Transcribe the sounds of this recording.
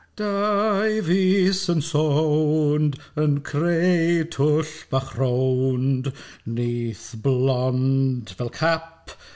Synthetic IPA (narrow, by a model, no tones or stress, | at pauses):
d̥ajviːsənsowndənkʰrejtʰʊɬb̥aχr̥owndniːθblɔndvɛlˠkʰap̚